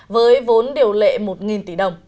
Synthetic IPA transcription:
vəː˨˦jvo˨˦nɗi˨˩əwlḛ˧˨mo˨˩t̚ŋi˨˩nt̪i˧˩ɗə˨˩wŋ͡m

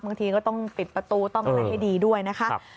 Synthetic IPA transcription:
baː˧ŋt̪ʰiː˧kɔː˥˩t̪ɔ˥˩ŋpi˨˩t̪̚pɾa˧t̪uː˧t̪ɔ˥˩ŋa˧ha˥˩jdiː˧du˥˩əjna˦˥kʰa˦ʔ

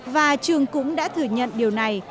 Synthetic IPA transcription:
vaː˨˩t͡ɕɨ˨˩əŋkʊ̰˧˥ŋ͡mɗa̰ː˧˥t̪ʰɨ˧˩əɲə̰˧˨nɗi˨˩əwna˨˩j

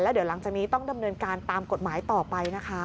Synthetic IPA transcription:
lɛ˦˥di˩˦wla˩˦ŋt͡ɕaː˨˩k̚niː˦˥t̪ɔ˥˩ŋda˧mnɤː˧nkaː˧nt̪aː˧mko˨˩t̪̚maː˩˦jt̪ɔː˨˩pa˧jna˦˥kʰa˦˥

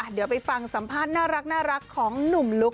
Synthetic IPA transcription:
ʔa˧˩dɯ˩˦wp̬a˧jfa˧ŋsa˩˦mpʰaː˥˩t̪̚naː˥˩ɾa˦˥k̚naː˥˩ɾa˦˥kʰːɔː˩˦ŋnu˨˩mlu˦˥k̚

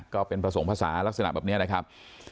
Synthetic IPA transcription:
kɔː˥˩pe˧npɾa˧so˩˦ŋpʰaː˧sa̰ː˩˦la˦˥k̚sa˧na̰˨ʔbɛː˨˩pni˦˥ɐna˦˥kʰa˦˥p̚

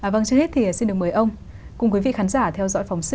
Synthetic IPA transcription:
ʔaː˨˩və˧ŋt͡ɕɨ˧he˦˥t̚t̪ʰi˨˩˨si˧nɗɨ˨˩əkməː˨˩˦jʔə˧wŋ͡m | kʊ̰˧ŋ͡mkwi˨˦vḭ˧˨xaː˨˦nzaː˧˩t̪ʰɛ˧wzɔ̰˧˥jfa˨˦wŋ͡msɨ˧

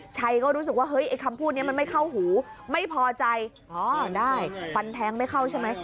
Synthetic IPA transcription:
t͡ɕʰa˧jkɔː˥˩ɾuː˦˥s̬ɯ˨˩k̚waː˥˩ɦɤ˦˥jʔa˧jkʰa˧mpʰuː˥˩t̪̚ni˥˩ma˧nma˥˩jkʰa˥˩wɦuː˩˦ma˥˩jpʰɔː˧t͡ɕa˧j | ʔɔː˧˩daː˥˩jfa˧nt̪ʰɛː˨˧˥ŋma˥˩jkʰa˥˩wt͡ɕʰa˥˩jma˦˥j

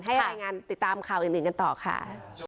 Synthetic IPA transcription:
ɦa˥˩jɾaː˧jŋaː˧nt̪i˨˩t̪ːaː˧mkʰaː˨˩wʔiː˨˩ʔɯ˨˩ŋka˧nt̪ɔː˨˩kʰa̰˥˩

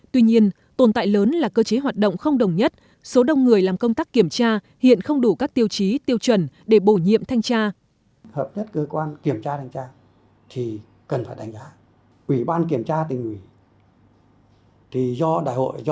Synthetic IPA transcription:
t̪wi˧ɲi˧ən | t̪o˨˩nt̪a̰ː˧˨jləː˨˦nlaː˨˩kəː˧t͡ɕe˨˦ɦwaː˨˩t̚ɗə̰˧˨wŋ͡mxə˧wŋ͡mɗə˨˩wŋ͡mɲə˦˥t̚ | so˨˦ɗə˨˩wŋ͡mŋɨ˨˩əjlaː˨˩mkə˧wŋ͡mt̪aː˦˥kːi˧˩əmt͡ɕaː˧ | hḭ˧˨ənxə˧wŋ͡mɗu˧˩kaː˦˥k̚t̪i˧əwt͡ɕi˨˦t̪i˧əwt͡ɕwə˧˩nɗe˧˩ɓo˧˩ɲḭ˧˨əmt̪ʰa˧jŋ̟t͡ɕaː˧ | həː˨˩p̚ɲə˦˥t̚kəː˧kwaː˧nki˧˩əmt͡ɕaː˧a˧jŋt͡ɕaː˧ | t̪ʰi˨˩ | kə˨˩nfaː˧˩jɗa˨˦jŋ̟zaː˨˦ | ʔwi˧˩ɓaː˧nki˧˩əmt͡ɕaː˧t̪ï˨˩ŋ̟ʔi˧˩ | t̪ʰi˨˩zɔ˧ɗa̰ː˧˩jho̰˧˨jz

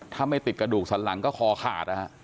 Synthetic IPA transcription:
t̪ʰaː˥˩ma˥˩jt̪i˨˩kɾa˧duː˨˩k̚sʰa˨˩˦nla˩˦ŋkɔː˥˩kʰɔː˧kʰa̰ː˨˩t̪̚ʔa˦˧˩

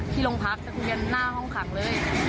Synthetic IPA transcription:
t̪ʰiː˥˩lo˧ŋpʰa˦˥k̚ta˦˥kwi˧ənːaː˥˩hɔ˥˩ŋkʰa˨˩˦ŋlɤː˧˥˩j

